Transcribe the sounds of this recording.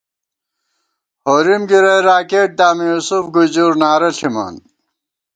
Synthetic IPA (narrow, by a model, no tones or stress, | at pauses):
hoːɾimɡiɾɐjɾaːkeːʈ̚d̪aːmijusufɡud͡ʑuɾnaːɾɐɬimɐ̰n